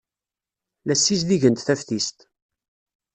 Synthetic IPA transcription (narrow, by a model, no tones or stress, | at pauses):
læsːis̬d̪iʝənt̪θæfθist̪